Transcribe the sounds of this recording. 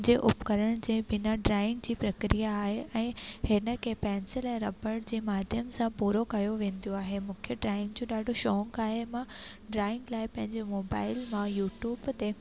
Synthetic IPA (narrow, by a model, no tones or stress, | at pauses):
d͡ʑeʔʊpkɐɾəɽ̃d͡ʑeːbɪnaɖɾaːɪ̃ŋɡd͡ʑiːpɾɐkɾijaːɦeʔɛ̃ːhɪnə̆kʰeːpɛːnsɪlɛ̃ːɾɐbəɽd͡ʑeːmaːd̪ʱjəmsãpuːɾokɐjoʋẽːnd̪ijoaːɦemʊ̃ːkʰjəɖɾaːɪ̃ŋɡ̚d͡ʑoːɗaːɖʱoʃɔːŋkaːɦemã | ɖɾaːɪ̃ŋɡlaːɪpɐ̃ɦɪ̃ɲd͡ʑemoːbaːɪlmãjuːʈjuːbt̪e